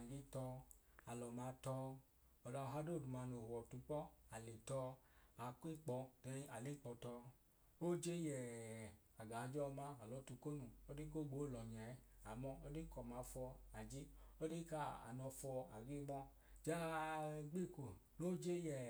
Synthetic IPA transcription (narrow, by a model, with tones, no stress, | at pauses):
ɡi˦tɔ˧a˨lɔ˨ma˧tɔ˧ | ɔ˨da˧ɔ˨a˧˦do˦˨du˨ma˧˨no˨hɔ˨tu˨˧˦k͡pɔ˦a˨le˨tɔ˧a˨˦ki˦k͡pɔ˧tɛ˧˦a˨li˦k͡pɔ˧tɔ˧ | o˦d͡ʒe˦jɛ˨ | a˨ɡa˨˦d͡ʒɔ˦˧ma˧a˨lɔ˨˦tu˧ko˦nu˧o˦di˦ko˦˨ɡ͡bo˨˦˨lɔ˨ɲa˨˦a˨mɔ˧ɔ˦di˦kɔ˨ma˨˧fɔ˧a˨d͡ʒi˦o˦di˦ka˦a̰˨nɔ˧fɔ˧a̰˨ɡi˦ɡ͡bɔ˦ | d͡ʒa˦a˧ɡ͡bi˦˨ko˨ | no˦d͡ʒe˦jɛ˨